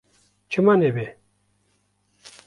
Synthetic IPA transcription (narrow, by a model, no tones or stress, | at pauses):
cʰømanepɛː